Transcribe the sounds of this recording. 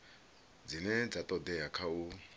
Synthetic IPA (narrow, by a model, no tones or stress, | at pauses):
d͡zinɛd͡zat̪ʼɔd̪ɛjakʰau